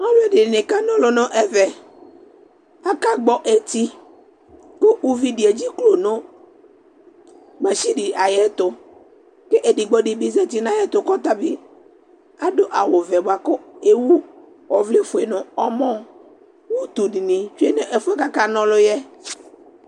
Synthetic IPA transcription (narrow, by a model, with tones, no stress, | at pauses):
nɔ̃˦lʊ˦ɛ˦˨dɪ˨nɪ˨nɪ˨ka˦nɔ̃˦lʊ˨nʊ̃˦ʔɛ˦vɛ˨ | a˦ka˦ɡ͡bɔ˦ʔɛ˨t̪i˦ | ko˦ʔu˦vi˨dɪ˨ɛ˨d͡ʑi˦klo˨nʊ̃˦ | ɡ͡ba˨ʃi˦dɪ˨a˨jɛ˦t̪ʊ˨ | ke˦ʔe˨di˨ɡ͡bɔ˨dɪ˨bɪ˨zɛ˦t̪i˨nã˨jɛ˦t̪ʊ˨kɔ˦t̪a˦bɪ˦ | a˦dʊ˦ʔa˨wʊ˨vɛ˨bʊ˨a˨kʊ˦e˦wu˦ | ɔ˨vlɪ˦fʊ˨e˨nʊ̃˨ɔ˦mɔ̃˦ | wʊ˦t̪u˨dɪ˨nɪ̃˨t͡ʃu˦ɛ˦ne˦ʔɛ˨fʊ˦ɛ˦ka˦ka˦nɔ̃˦lʊ˦jɛ˦